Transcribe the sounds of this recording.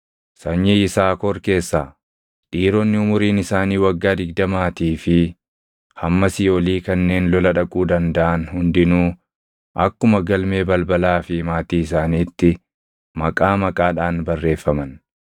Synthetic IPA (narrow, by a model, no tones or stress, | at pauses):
sɐɲːɛɪsaːkɔɾke̞ːsːaː | ᶑiːɾɔnːɪʊmʊɾiːnɪsaːniːwɐɡːaːd̪ɪɡd̪ɐmaːt̪iːfɪ | hɐmːɐsɪjoːliːkɐnːe̞ːnlɔlɐᶑɐkʼuːd̪ɐnd̪ɐʔɐnhʊnd̪ɪnuː | ʔɐkːʊmɐɡɐlme̞ːbɐlbɐlaːfɪmaːt̪iːɪs̬aːniːt̪ːɪ | mɐkʼaːmɐkʼaːᶑaːnbɐrːe̞ːfːɐmɐn